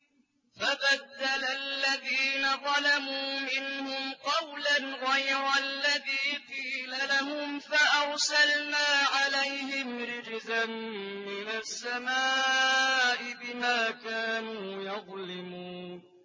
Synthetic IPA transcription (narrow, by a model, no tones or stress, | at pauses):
fabad̪ːalalːaðiːnaðˤɑlamuːmɪnhʊmqɑwlanɣajɾalːaðiːqiːlalaɦʊmfaʔɑɾsalnaːʕalajhɪmɾɪd͡ʒzamːɪnasːamaː | ʔɪbɪmaːkaːnuːjɑðˤlɪmuːn